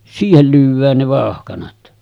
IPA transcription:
siːhel lyːʋˑæːn ne ʋɑˑohkɑnɑt

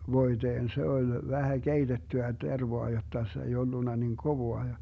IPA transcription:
ʋoiteːn se olʲ ʋæhæ keitetːyæ terʋoɑ jotːɑ se ei olːunːɑ niŋ koʋoɑ jɑ

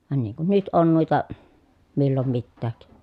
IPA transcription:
ʋɑn niːŋ kun nyt on nuitɑ milːom mitːæːk

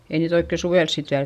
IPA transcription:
ei niːt oikːe suʋels sit ʋiæl

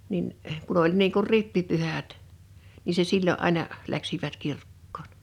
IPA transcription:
nin kun olʲ niːŋ kur ripːipyhæt ni se silːoʔ ʔɑˑinɑ læksiʋæt kirkːoːn̥

